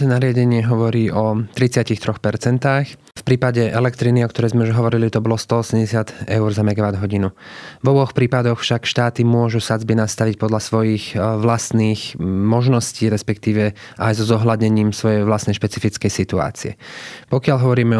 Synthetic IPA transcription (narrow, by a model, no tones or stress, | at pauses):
ɛnaɾɪaɟɛɲɪɛɦɔʋɔɾiːʔɔt̪ɾit͡sɪacixt̪ɾɔxpɛɾt͡sɛnt̪aːx | fpɾiːpaɟɛʔɛlɛkt̪ɾiniɔkt̪ɔɾɛjzmɛuʒɦɔʋɔɾilit̪ɔbɔlɔst̪ɔɔsɛmɟɛsɪad̪ɛʊɾzamɛɡaʋad̪ɦɔɟinuvɔbɔxpɾiːpad̪ɔxfʃakʃt̪aːt̪imʊɔʒusad͡zbinast̪aʋic̚pɔd̪ʎasʋɔjixʋlast̪niːxmɔʒnɔsciːɾɛspɛkt̪iːʋɛ | ʔajzɔzɔɦladɲɛɲiːmsʋɔjɛjʋlast̪nɛjʃpɛt͡sifit͡skɛjsit̪ua̰ːt͡siɛ̰pɔkɪaʎɦɔʋɔɾiːmɛ